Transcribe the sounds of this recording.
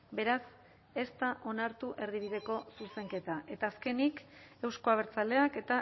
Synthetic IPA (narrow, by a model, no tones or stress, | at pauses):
be̞ɾas | e̞st̪aʔo̞naɾt̪uʔe̞ɾðiβ̞iðe̞ko̞suse̞ŋke̞t̪aʔe̞t̪aːske̞nike̞wsko̞aβ̞e̞ɾt͡sale̞ake̞t̪a